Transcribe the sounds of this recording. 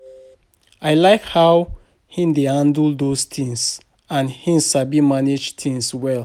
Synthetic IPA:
aɪlaɪkhaw | hĩndehãndl̩dost̪ʰĩŋs | ãnhĩnsabimaned͡ʒtʰĩŋswɛl

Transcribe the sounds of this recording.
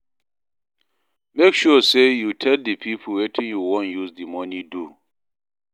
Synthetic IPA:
mekʃusejutʰɛldipʰipʰlwetʰĩnjuwɔ̃njuzdimɔnidu

